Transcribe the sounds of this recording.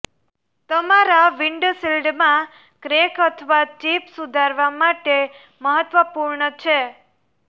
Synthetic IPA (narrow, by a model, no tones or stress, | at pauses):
t̪əmaɾaʋiɳɖsilɖmã | kɾekət̪ʰəʋat͡ʃipsud̪ʱaɾʋamaʈe | məɦət̪ʋəpuɾɳət͡ʃʰe